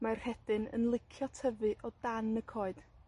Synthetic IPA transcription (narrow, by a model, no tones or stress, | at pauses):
mar̥hɛd̥ɨnə̰nlˠɪkʰjɔtʰəvɨʔɔdanəkʰɔɨd̥